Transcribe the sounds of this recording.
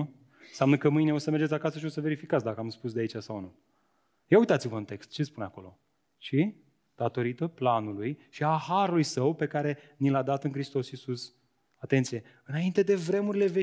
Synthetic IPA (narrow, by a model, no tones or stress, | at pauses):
seamnəkəmɨjne̞o̞səmerd͡ʒet̪sʲakasəʃ̬io̞səve̞ɾifikat̪sd̪akəamspusd̪eait͡ʃasawnu | jeujt̪at̪sivəɨnt̪e̞kst̪̚t͡ʃe̞spunako̞lo̞̰ | ʃi | d̪̥at̪o̞ɾit̪əplanulujʃiahaɾulujsəwpe̞kaɾe̞nilad̪at̪ɨŋkɾist̪o̞sisus | at̪e̞nt̪sije̞ | ɨnaint̪e̞d̪e̞vɾe̞muɾile̞ve